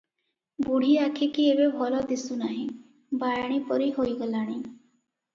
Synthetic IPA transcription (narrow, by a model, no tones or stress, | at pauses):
buɽ̤ʱiakʰikiebebʱɔlɔd̪isunaɦĩ | bajɽ̃ipɔɾiɦojɡɔlaɽ̃i